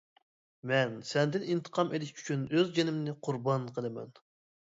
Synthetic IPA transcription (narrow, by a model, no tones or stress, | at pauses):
mɛnsɛnd̪ɪnint̪ʰə̥qʰɑmed̪ɪʃy̥t͡ʃʰynøzd͡ʒenɪmnɪqʰʊɾbɑnqʰəlˠɨmɛ̰n